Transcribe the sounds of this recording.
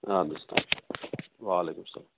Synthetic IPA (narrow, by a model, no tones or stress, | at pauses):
and̪st̪a̰ː | ʋaːleːkʊmsɐ̰laː